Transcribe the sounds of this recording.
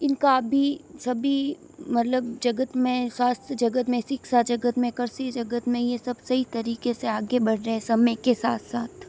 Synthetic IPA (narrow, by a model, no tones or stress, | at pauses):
ɪnkaɐbʱisɐbʱi | mɐt̪ləbd͡ʒɐɡət̪mẽswaːst̪ɾəd͡ʒɐɡət̪mẽsɪksad͡ʒɐɡət̪mẽkɐɾsid͡ʒɐɡət̪mẽjesɐbsɐɦit̪ɐɾiːkeseaːɡebɐɽ̤ɾɐɦɛ̃sɐmẽkesaːt̪ʰsaːt̪ʰ